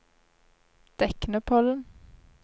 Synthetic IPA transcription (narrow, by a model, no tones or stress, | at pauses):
d̪̥ɛknəpʰɔln